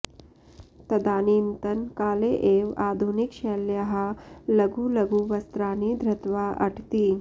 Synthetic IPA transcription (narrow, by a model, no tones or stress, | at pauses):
t̪ɐd̪aːniːmt̪ɐnkaːleːʔeːʋaːd̪ʱunikʃeːljɐɦɐ̆lɐɡulɐɡuʋɐst̪ɾaːnid̪ʱɾɐt̪ʋaːʔɐʈʰt̪i